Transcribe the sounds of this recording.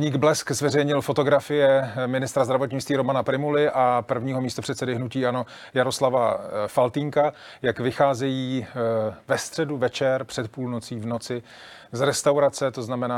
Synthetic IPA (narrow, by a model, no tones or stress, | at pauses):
ɲiːɡblɛskzvɛrɛjɲɪlfo̞t̪o̞ɡɾafɪjɛmɪnɪst̪ɾazd̪ɾavo̞t̪ɲɪt͡st̪viːɾo̞manapɾɪmulɪʔapr̩vɲiːɦo̞miːst̪o̞pr̝̥ɛt̪sɛdɪɦnuciːʔano̞ | jaɾo̞slavafalt̪iːŋka | jakvɪxaːzɛjiː | vɛst̪r̥ɛduvɛt͡ʃɛɾpr̥ɛt̪̚puːlnot͡siːvno̞t͡sɪ | zɾɛst̪awɾat͡sɛt̪o̞znamɛnaː